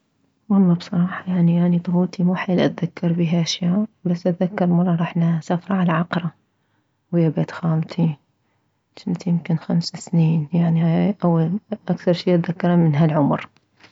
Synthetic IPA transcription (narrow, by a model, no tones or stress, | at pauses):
wɑlˤːɑːbsˤɑɾˤɑːħɑjaʕniʔanid̪ˤʊhuːt̪ʰimuːħaːlʔat̪ðakːɑɾˤbiːɦaʔaʃjaːʔbasːʔat̪ðakːɑɾˤmɑɾˤːɑɾˤɑːħnasafɾˤɑʕalaʕɑqɾˤɑ | wjabat̪xaːlt̪ʰi | t͡ʃɪnt̪jɪmkɪnxamsasniːnjaʕniaʔawːalʔakθɑɾˤʃiːʔat̪ðakːɑɾˤamɪnɦalʕʊmɾ